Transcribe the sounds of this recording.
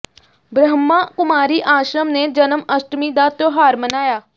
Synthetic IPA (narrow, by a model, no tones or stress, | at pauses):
bɾəɦəmːaːkʊmaːɾiːʔaːʃɾəmneːd͡ʒənəməsʈmiːd̪aːt̪oːɦaːɾmənaːjaː